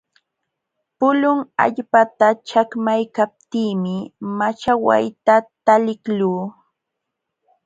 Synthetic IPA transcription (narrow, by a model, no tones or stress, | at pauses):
pʊlʊŋa̰ʎpat̪at͡ʃakmajkap̚t̪iːmɪmat͡ʃawa̰jt̪at̪alɪkluː